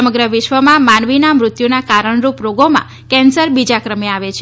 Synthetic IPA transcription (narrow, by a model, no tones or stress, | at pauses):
əməɡɾəʋɪʃʋəmãmanʋinamɾʊt̪junakaɾəɳ̃ɾupɾoɡomã̰ | kɛ̃nsəɾbid͡ʒakɾəmeaʋet͡ʃʰ